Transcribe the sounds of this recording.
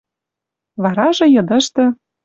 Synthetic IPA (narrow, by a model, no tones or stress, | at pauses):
βɑɾɑʒɤ̆jɤ̆d̪ɤ̆ʃt̪ɤ̆